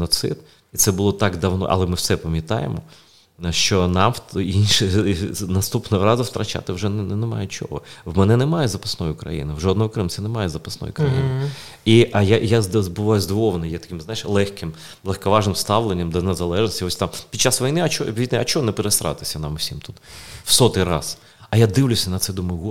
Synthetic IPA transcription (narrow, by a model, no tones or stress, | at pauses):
nɔt̪sɪ̰d̪ | it̪sɛbʊlˠɔt̪ɑɡd̪ɐwnɔ̰ʔɐ̰lˠɛmɪwsɛpɐmʲjɐt̪ɑ̰jḛmɔ̰ | ʃt͡ʃɔnɑminʲʃɪnɐst̪upnɔɦɔɾɑzʊwt̪ɾʔɐt͡ʃɑ̰t̪ɪwʒɛnnemɑ̰jɛt͡ʃɔ̰ɦɔ̰wmɛnɛnɛmɑjɛzɐpɐ̥snɔjʊʊkɾɐ̰jḭnɪwʒɔd̪nɔɦɔkɾɪmsʲɛnemɑjɛzɐpɐsnɔ̰jʊkɾɐjḭn | iʔɐjajazbʊʋɑjʊzd̪ɔʋɔʋɐnɔjɛt̪ɐ̥kʲɪmznajɪʃlˠɛxkɪm | lˠɛxkɐʋɑʒnɪmst̪ɑʋlˠenʲːɐmd̪ɐneɛzɐlˠɛʒnɔsʲtʲiɔsʲt̪ɑmpʲid̪̚ʲt͡ʃːasʋɐjnɪɐt͡ʃɔbʲʋʲit̪ʲnɛɐt͡ʃɔɦɔnɛpeɾesɾɑ̰t̪ɪ̥sʲɐnɑmʊsʲimt̪ut̪wsɔt̪ɪjɾɑ̰s | ɐjad̪ɪʋlʲʊsʲɐnɐt̪sɛd̪ʊmɐɦu